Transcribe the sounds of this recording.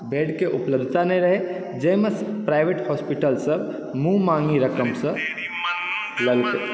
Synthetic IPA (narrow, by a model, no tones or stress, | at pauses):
beːɖkeʔʊpləb̚d̪ʱt̪anɐĩɾəɦe | d͡ʒeːməspɾaːɪʋeʈhɔːspiʈəlsəb | mũmãːŋɡiɾəkəmsə̃ | ləlt̪e